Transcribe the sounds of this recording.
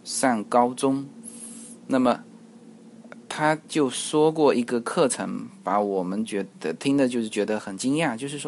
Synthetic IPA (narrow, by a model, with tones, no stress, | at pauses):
ʂa˥˩nkɑ˥ʊʈ͡ʂʊ˥ŋ | na˥˩mə˩ | t̪ʰa˥t͡ɕjo˥˩ʊʂwɔ˥kwɔ˥˩i˧˥ɡə˧kʰɤ˥˩ʈ͡ʂʰɤ˧˥ŋpa˧˥wɔ˨˩mə˦nt͡ɕɥɛ˧˥d̪ə˧t̪ʰi˥ŋd̪ə˨t͡ɕjo˥˧ʊʂɻ̩˥˩t͡ɕɥɛ˧˥d̪ə˧xə˨˩nt͡ɕi˥ŋja˥˩t͡ɕjo˥˧ʊʂ̬ɻ̩˥˩ʂwɔ˥